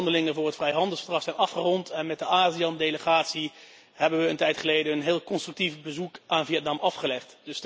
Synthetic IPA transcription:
ndəlɪŋənvʊːrɦətfrɛjɦɑndəlˠsfəɹdrɑχsɛjnɑfχərɔntʰɛnmɛt̚dəaːziɑndejləχaːtsi | hɛbənʋəəntɛjtχəlejdəənɦɪːlˠkɔnstrʏk̚tifbəzukʔaːnviɛtnɑmɑfχəlɛχtd̥ɵs

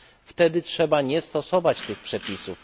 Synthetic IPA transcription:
ft̪ɛd̪ɘtʂɛbaɲɛst̪ɔsɔvat͡ɕt̪ɘxpʂɛpʲisuf

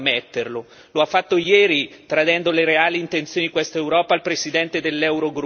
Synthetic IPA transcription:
met̪ːerlo | loafːat̪ːojɛːɾit̪ɾad̪ɛnd̪oleɾeaːliːnt̪ent̪sjoːniikwest̪aewɾɔːpalpɾesid̪ɛnt̪ed̪elːɛwɾoɡɾ

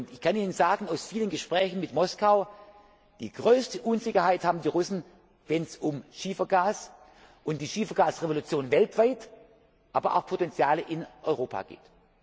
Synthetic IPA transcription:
ʊntɪçkʰaniːnənzaːɡn̩aʊsfiːlənɡəʃpʁ̥ɛːçn̩mɪtmɔskaʊ | d̥ḭːɡ̥ʁøːstəʔuːnzɪçɐhaɪthaːbm̩diːʁʊsn̩ | vɛnsʊmʃiːfɐɡaːs | ʔʊnt̚d̥iːʃiːfɐɡaːsʁevolut͡sjoːnvɛltv̥aɪt | ʔaːbɐʔa̰ʊxpʰotɛnt͡sjaːləʔɪnʔɔʏʁoːpʰa̰ːɡ̥ḛːt

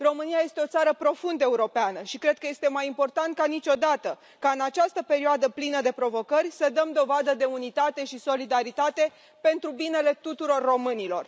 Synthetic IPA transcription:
ro̞mɨniaje̞st̪e̞o̞t̪saɾəpɾo̞fund̪əe̞uɾo̞peanəʃikɾe̞d̪̚kəje̞st̪e̞majimpo̞rt̪ant̪̚kanit͡ʃo̞d̪at̪ə | kaɨnat͡ʃast̪əpe̞ɾioad̪əplinəd̪e̞pɾo̞vo̞kərʲsəd̪əmd̪o̞vad̪əd̪e̞unit̪at̪e̞ʃiso̞lid̪aɾit̪at̪e̞ | pe̞nt̪ɾubine̞le̞t̪ut̪uɾo̞rːo̞mɨnilo̞̰r

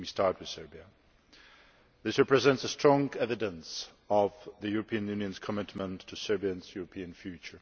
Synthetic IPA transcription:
istʰɑɹt̚wɨð̥sɜ˞biə | ðɪsɹɛpɹɨzɛ̃ntsəstɹ̥ɔ̃ŋɛvɨdə̃ns | ʌvðɨjʊɹəpʰĩɨ̃njʉ̃njə̃nz̥kʰəmɪtmə̃ntʰːɨsɜ˞biɨ̃nzjʊɹəpʰĩɨ̃nfjʉt͡ʃə˞

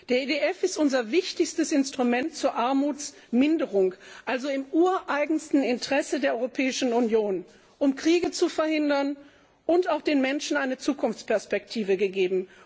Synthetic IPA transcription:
d̥eːɐedeʔɛfɪstʔʊnzɐvɪçtɪçstəsɪnstʁ̥umɛntt͡suːɐʔaɐmuːt͡s | mɪndəʁʊŋʔalzoɪmʔuːɐʔaɪɡŋ̩stn̩ɪntəʁ̥ɛsədeːɐɔʁopʰɛːɪʃn̩unjoːn | ʔʊmkʁ̥iːɡət͡sufɛɐhɪndɐn | ʔʊntaʊxd̥eːnmɛnʃn̩aɪnət͡suːkʊnft͡spɛɐspɛk̚tʰiːvəɡəɡeːbm̩

